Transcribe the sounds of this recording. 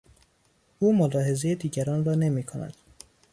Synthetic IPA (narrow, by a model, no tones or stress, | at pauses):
uːmolɒːɦe̞ze̞jed̪iːɟæɾɒːnrɒːne̞miːkʰonæ̰d̪̥